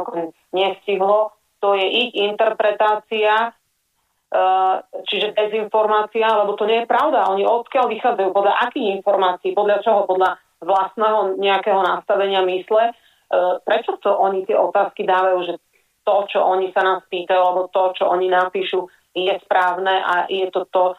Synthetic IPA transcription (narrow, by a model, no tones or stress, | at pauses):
ɔkɔɛ | ɲɛfsciɦlɔ | t̪ɔjɛʔiint̪ɛɾpɾɛt̪aːt͡sia | t͡ʃiʒɛb̪ɛzinfɔɾmaːt͡sialɛbɔt̪ɔɲɛjɛpɾaʊd̪aɔɲiɔt̪kɪaʎʋixaːd͡zajuːpɔd̪ʎaʔakiːɣinfɔɾmaːt͡siːpɔd̪lat͡ʃɔɦɔpɔd̪la | ʋlast̪nɛɦɔɲɛakɛɦɔnast̪aʋɛɲɪamislɛ | pɾɛt͡ʃɔt̪ɔʔɔɲit̪ɪɛɔt̪aːskid̪aːʋajuːʒɛ | t̪ɔt͡ʃɔʔɔɲisanaːspiːt̪ajualɛbɔt̪ɔt͡ʃɔʔɔɲinapiːʃu | jɛspɾaːʊnɛʔa̰jɛt̪ɔt̪ɔ